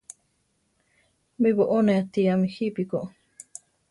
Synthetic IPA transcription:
miβoʔoneat̪iamihipikoʔ

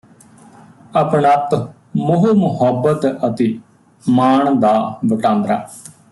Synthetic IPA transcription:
əpɳət̪ | mʊɦumʊɦəbːət̪ət̪eː | maːɳd̪aːʋəʈãːnd̪ɾaː

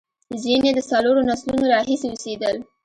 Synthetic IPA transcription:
zined̪əsaloɾonaslunoɾɑɦiseosed̪əl

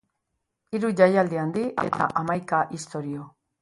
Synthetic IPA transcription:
iɾuʝajald̪iand̪iʔe̞̰t̪ʰa̰ʔamajkaʔist̪o̞ɾio

